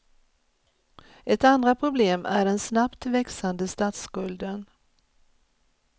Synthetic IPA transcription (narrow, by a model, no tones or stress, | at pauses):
ʔɛt̪and̪ɾapʰɾʊbleːmʔæɖɛnsnapt̪vɛksand̪əst̪aːt̪skɵld̪ən